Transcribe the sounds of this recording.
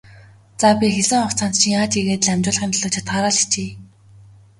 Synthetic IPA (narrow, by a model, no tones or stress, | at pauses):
t͡sapʲixeɮɘ̆ŋχɔχt͡sʰan̥t̪t͡ɕʰĭŋaːt͡ɕ̪iɣeːt̪ɮæmʲt͡ɕʊːɮə̆χĭnt̪ɮʊːt͡ɕʰḁt̪̚ɢaːɾaːɮi̥xt͡ɕeː